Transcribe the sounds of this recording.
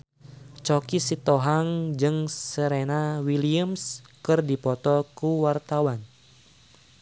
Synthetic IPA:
t͡ʃɔkisit̪ɔɦaŋd͡ʒɨŋsəɾenawiliəmskɨrdipɔt̪ɔkuwart̪awan

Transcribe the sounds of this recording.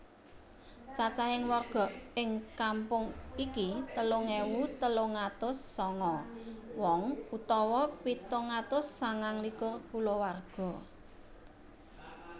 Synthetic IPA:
t͡ʃat͡ʃahɪŋwɔrɡ̥ɔ̤ɪŋkampʊŋikit̪əloŋewut̪əloŋat̪ʊsːɔŋɔwɔŋut̪ɔwɔpit̪oŋat̪ʊsːaŋaŋlikʊrkulowarɡ̥ɔ̤

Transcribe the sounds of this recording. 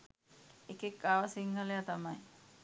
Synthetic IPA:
ekekːaʋasiŋɡalejat̪amaj

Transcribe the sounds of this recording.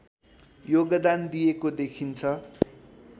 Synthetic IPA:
joɡʌd̪and̪ijekod̪ekʰint͡sʰʌ

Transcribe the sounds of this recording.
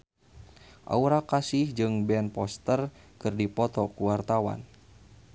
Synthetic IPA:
ʔa̰uɾakasɪhd͡ʒɨŋbɛnpɔst̪ərkɨrdipɔt̪ɔkuwart̪awa̰n

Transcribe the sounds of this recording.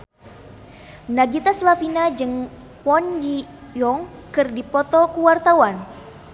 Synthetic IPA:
naɡit̪aslafinad͡ʒɨŋ | pɔnji | jɔŋkɨrdipɔt̪ɔkuwart̪awan

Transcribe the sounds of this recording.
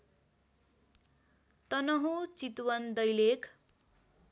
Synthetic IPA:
t̪ʌnʌɦut͡sit̪wʌnd̪ʌjlekʰ

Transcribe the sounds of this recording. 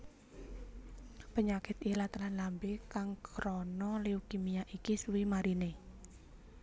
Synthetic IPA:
pəɲakɪt̪ilat̪lanlambekaŋkɾɔnɔleukimijaʔikisuwimaɾine

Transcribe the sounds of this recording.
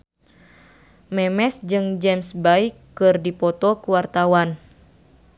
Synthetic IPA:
mɛmɛsd͡ʒɨŋd͡ʒɛmsbaikːɨrdipɔt̪ɔkuwart̪awan

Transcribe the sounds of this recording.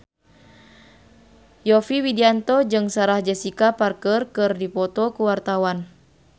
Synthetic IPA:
jɔfiwidiant̪ɔd͡ʒɨŋsaɾahd͡ʒɛsikaparkərkɨrdipɔt̪ɔkuwart̪awan

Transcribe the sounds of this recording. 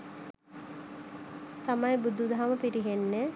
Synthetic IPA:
t̪amɐjbud̪ud̪aɦaməpiɾiɦenːe

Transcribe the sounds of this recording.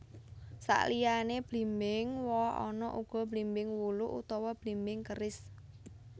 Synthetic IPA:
sa̰ʔlijaneb̥limbɪŋwɔɦɔ̰nɔʔuɡ̥ɔ̤b̥limbɪŋwuluʔut̪ɔwɔb̥limbɪŋkəɾɪs

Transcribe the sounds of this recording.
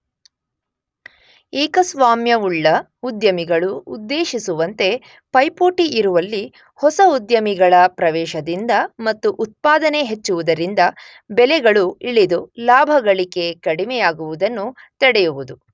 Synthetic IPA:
iːkɐsʋaːmjɐuɭːɐ | ud̪jɐmiɡɐɭuud̪ːeːʃisuʋɐnt̪e̞ | pɐjpoːʈiʔːɾuʋɐlːi | hɔsɐud̪jɐmiɡɐɭɐpɾɐʋɛːʃɐd̪ind̪ɐmɐt̪ːuʔut̪̚paːd̪ɐne̞ɦet͡ʃːuʋud̪ɐɾind̪ɐ | bɛlɛɡɐɭuiɭid̪ulaːbʱɐɡɐɭike̞kɐɽimɛjaːɡuʋud̪ɐnːu | t̪ɛɽɛjuʋud̪u

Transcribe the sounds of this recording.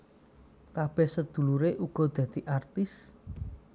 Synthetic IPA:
kab̥ɛhsəd̪̥ṳluɾeʔuɡ̥ɔ̤d̪̥ä̤d̪̥i̤ʔart̪ɪs

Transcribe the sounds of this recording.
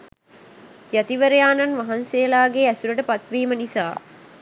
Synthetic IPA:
jat̪iʋɐɾɐjaːnɐnʋɐɦɐnseːlaːɡeæsuɾəʈəpɐt̪ʋiːmənisaː

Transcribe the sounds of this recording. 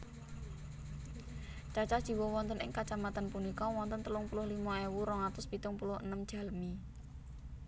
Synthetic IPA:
t͡ʃat͡ʃad̥ʒ̥i̤wɔwɔnt̪ənɪŋkat͡ʃamat̪anpunikɔwɔnt̪ənt̪əlʊŋpulʊhlimaewuɾɔŋat̪ʊspit̪ʊŋpulʊhənəmd̥ʒ̥a̤lmi

